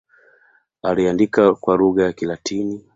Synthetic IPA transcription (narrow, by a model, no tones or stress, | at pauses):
aliandikakwaluɣajakilatʰini